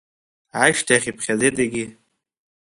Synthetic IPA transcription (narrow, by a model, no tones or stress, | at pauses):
ʕaʃtʰaaχʲipʰχʲazetʼeɡʲi